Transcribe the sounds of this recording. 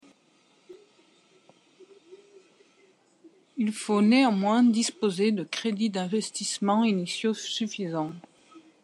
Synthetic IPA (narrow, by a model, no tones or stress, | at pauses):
ilfoneɑ̃mwɛ̃d̪ispozed̪əkχed̪id̪ɛ̃vɛst̪ismɑ̃inisjosyfizɑ̃